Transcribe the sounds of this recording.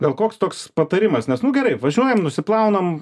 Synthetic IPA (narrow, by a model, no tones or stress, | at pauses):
ɡɐlˠkoːkst̪oːkspɐt̪ɐɾʲɪmɐsnʲɛsnʊɡʲɛɾɐɪʋɐʒʲuɔjɛmnʊsʲɪplˠɐʊnɐm